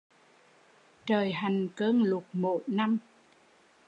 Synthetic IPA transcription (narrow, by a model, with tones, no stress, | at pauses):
t͡ɕəː˨˩jɦa˨˩jŋ̟kəː˧nlʊ˨˩k̚mo̰˧˨˦jna˧m